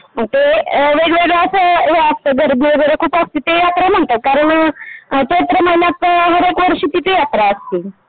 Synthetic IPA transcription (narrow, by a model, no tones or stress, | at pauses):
ət̪eʋeɡʋeɡɭaəsəːst̪əɡʱəɾmieɡəɾəkʰuːpast̪it̪ejat̪ɾam̤əɳt̪əkaɾəɳ | t͡ʃet̪ɾəmənat̪ɦəɾekʋəɾʂiːt̪it̪ejat̪ɾaəst̪i